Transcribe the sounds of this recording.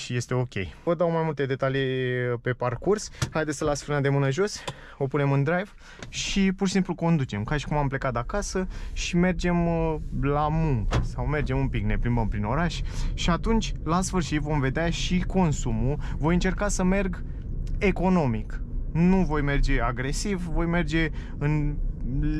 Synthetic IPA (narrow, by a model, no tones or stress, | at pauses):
ʃije̞st̪e̞o̞kʲe̞̰jvəd̪awmajmult̪e̞d̪e̞t̪alipe̞parkurshajd̪esʲəlasfɨrnad̪e̞mɨnəʒo̞s | o̞pune̞mɨnd̪ɾajv | ʃipurʃi̥simpluko̞nd̪ut͡ʃe̞mkaʃi̥kumample̞kat̪akasəʃime̞rd͡ʒe̞mlamuŋkəsawme̞rd͡ʒe̞mumpikne̞pɾimbəmpɾino̞ɾaʃʲʃiat̪unt͡ʃʲlasfɨrʃit̪vo̞mve̞d̪eaʃiko̞nsumuvo̞jɨnt͡ʃe̞rkasəme̞rɡ | e̞ko̞no̞miknuvo̞jme̞rd͡ʒe̞aɡɾe̞sivvo̞jme̞rd͡ʒe̞ | ɨn